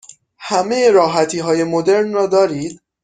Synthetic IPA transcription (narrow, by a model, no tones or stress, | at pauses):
hæmejeɾɒːɦæt̪ʰiːɦɒːje̞mod̪e̞ɾnrɒːd̪ɒːɾiːd̪̥